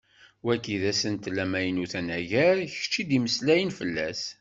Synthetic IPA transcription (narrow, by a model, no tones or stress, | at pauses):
wækːiðæsənt̪læmæjənuθænæʝæɾç̥t͡ʃːid̪iməslæjənfəlːæs